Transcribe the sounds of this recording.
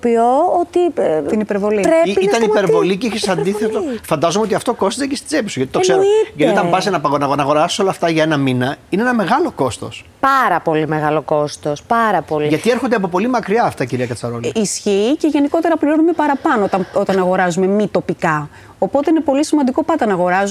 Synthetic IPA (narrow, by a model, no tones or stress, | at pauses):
opioot̪it̪inipeɾvo̞liɾeiit̪ɐnipe̞ɾvo̞liceiçesɐsɐnd̪iθet̪ofɐnd̪ɐzomeot̪iɐft̪oko̞st̪zecest̪i̥d͡zepisuʝɐt̪it̪seɾiʝɐt̪ot̪ɐmpɐzenɐpɐonɐɣnɐɣo̞ɾɐsu̥solɐːft̪ɐʝɐenɐminɐineenɐme̞ɣɐlo̞ko̞st̪o̰spɐɾɐpo̞limeɣɐloko̞st̪ospɐɾɐpo̞liʝɐt̪ieɾxond̪eɐp̬o̞p̬o̞limɐkɾiɐːft̪ɐciɾiɐkɐt͡sɐɾolisçiːce̞ʝe̞niko̞t̪e̞ɾɐpliɾo̞nume̞pɐɾɐpɐnot̪ɐot̪ɐnɐɣo̞ɾɐzume̞mit̪o̞pikɐ | o̞po̞t̪e̞inepo̞lisimɐnd̪iko̞pɐt̪ɐnɐɣo̞ɾɐzu